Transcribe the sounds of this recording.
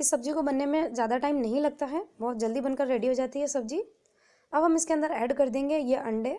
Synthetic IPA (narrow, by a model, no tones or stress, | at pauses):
ɪsːɐbd͡ʒikobɐnːemẽzjaːd̪aʈaːɪmnɐɦĩlɐɡ̚t̪aɦɛbɔːt̪̚d͡ʒɐld̪ibɐnkəɾːeːɽiɦod͡ʒaːt̪iɦɛsɐb̚d͡ʒiː | ɐbɦɐmɪskeɐ̃nd̪əɾɛːɖkɐɾd̪ẽːŋɡejeʔɐ̃ɳɖe